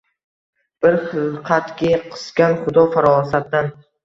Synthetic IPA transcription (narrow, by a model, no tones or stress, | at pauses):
b̥ɪɾχɨlˠqʰɑt̪ɡʲɪqʰɨ̥sɡʲanχʊd̪ɒfaɾɒsat̪̚ːan